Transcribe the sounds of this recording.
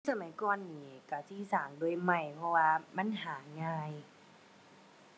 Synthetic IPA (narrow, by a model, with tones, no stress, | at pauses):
sa˧ma˨˦jkɔː˧˨nːiː˨˧˩ka˧˩siː˧˥˦saː˨˩˦ŋdu˧˩ə˨jma˧˩jpʰɔ˧waː˧ma˧˥˨nɦaː˩˦ŋaː˧j